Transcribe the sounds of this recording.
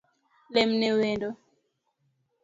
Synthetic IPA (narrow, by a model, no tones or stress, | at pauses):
lemnewendo